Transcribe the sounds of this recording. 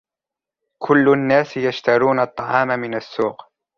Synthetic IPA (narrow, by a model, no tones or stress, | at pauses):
kʰʊlːʊnːaːsɪjaʃt̪aɾuːnɑt̪ˤːɑʕɑːmamɪnasːuːq